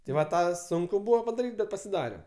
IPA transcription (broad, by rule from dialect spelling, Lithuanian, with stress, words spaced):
tɐɪ ʋɐ ˈtɑː ˈsʊŋkʊ ˈbʊʋoː pɐdɐˈrʲiːtʲ bʲɛt pɐsʲɪˈdɑːrʲɛm